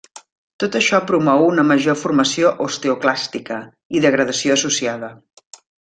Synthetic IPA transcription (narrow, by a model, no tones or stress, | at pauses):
t̪ot̪əʃɔpɾumɔwunəməʒofurməsioʔost̪euklast̪ikə | iðəɣɾəðəsioəsusiaðə